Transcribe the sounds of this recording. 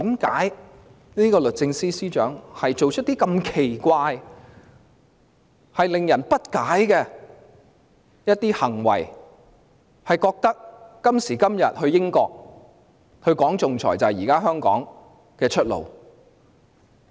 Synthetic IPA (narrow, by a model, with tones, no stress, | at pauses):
t̪iː˨˥mkaː˨˥j | niː˥kɔː˧lɵ˨t̚t͡sɪ˧ŋsiː˥siː˥t͡ʃœ̰ː˨˥ŋhɐ˨jt͡ʃo˨wt͡ʃʰɵ˥t̚t̪iː˥kɐ˧mkʰe˨˩jkʷaː˧j | hɐ˨jlɪ˨ŋjɐ˨˩npɐ˥t̚kaː˨˥jkɛː˧ | jɐ˥t̚t̪iː˥hɐ˨˩ŋwɐ̰˨˩j | hɐ˨jkɔː˧k̚t̪ɐ˥k̚ːɐ˥msiː˨˩kɐ˥mjɐ˨t̚hɵ˧ɥjɪ˥ŋkɔː˧k̚ | hʰɵ˧ɥkɔː˨˥ŋt͡sʊ˨ŋt͡sʰɔ̰ː˨˩jt͡sɐ˨jiː˨˩kaː˥ɦœː˥ŋkɔ̰ː˨˥ŋ | kɛː˧t͡ʃʰɵ˥t̚lo̰˨w